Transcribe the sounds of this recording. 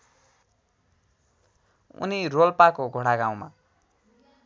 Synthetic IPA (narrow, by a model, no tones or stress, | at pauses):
ṵnirolpakoɡʱoɽaɡaw̃ma̰